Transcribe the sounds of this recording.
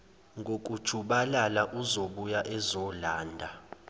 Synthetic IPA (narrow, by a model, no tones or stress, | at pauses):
ŋɡʱokʼud̥ʒ̥ʱuɓalalaʔuzoɓujaʔɛzɔlaːndʱa